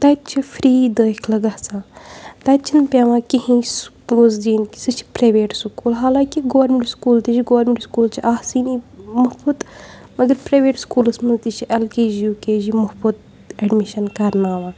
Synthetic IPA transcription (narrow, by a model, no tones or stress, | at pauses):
t̪ɐt̪̚t͡ʃʰifɾiːd̪əːkʰlɐɡɐhsãːt̪ɐt̪̚t͡ʃʰinpʲeːʋãːkiɦĩskːuzd̪iːnki̥sɨt͡ʃʰi̥pɾɐːʋeːʈsukuːlɦaːlãːkiɡoːʋɐɾmiɳʈskuːlt̪it͡ʃiɡoːɾmeɳʈskuːlt͡ʃʰiʔaːhsiːniːmuhbɐt̪ | mɐɡɐɾpɾɐjʋeːʈskuːlɐsmɐnzt̪it͡ʃʰiʔɐlkeːd͡ʒjuːkeːd͡ʒimuhbɐt̪̚ | ɛɖmiʃɐnkɐɾnaːʋãː